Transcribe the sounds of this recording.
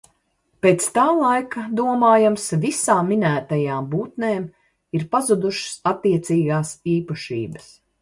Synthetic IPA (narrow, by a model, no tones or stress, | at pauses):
peːt̪st̪aːlˠajkad̪uɔmaːjamsvisaːmːinæːt̪ajaːmbuːt̪neːm | iɾpazud̪uʃsat̪ːiɛt̪siːɡaːsiːpaʃḭːbəs